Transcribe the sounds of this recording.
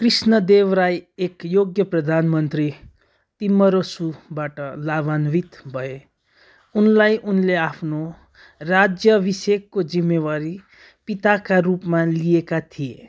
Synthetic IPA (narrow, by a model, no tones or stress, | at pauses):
krisnʌd̪ewɾajekjoɡjʌprʌd̪ʱanmʌnt̪ri | t̪imːʌɾosubaʈʌlabanbit̪bʱʌe | unlajʔunleapʰno | rad͡zjʌbisekːod͡zimːewaɾi | pit̪akarupmalijekat̪ʰie